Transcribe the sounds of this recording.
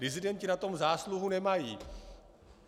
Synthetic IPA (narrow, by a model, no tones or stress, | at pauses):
ɾɪzɪdɛncɪnat̪o̞mzaːsluɦunɛmajiː